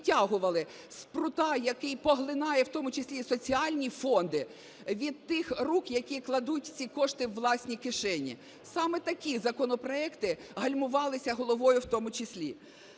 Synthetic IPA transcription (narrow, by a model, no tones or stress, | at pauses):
tʲaɦʊʋɐlˠɪ | spɾʊt̪ɑjɐkɪjpɔɦlˠɪnɑjɛwt̪ɔmʊt͡ʃesʲlʲisɔt͡sʲiɑlʲnʲifɔnd̪ɪ | ʋʲid̪̚t̪ɪxrukjɐkʲiklˠɐd̪utʲt͡sʲikɔʃt̪ɪwːlˠɑsʲnʲikɪʃɛnʲḭ | sɑmɛt̪ɐkʲizɐkɔnɔpɾɔɛkt̪ɪɦɐlʲmʊʋɑlˠɪsʲɐɦɔlˠɔʋɔjʊwt̪ɔmʊt͡ʃɪsʲlʲi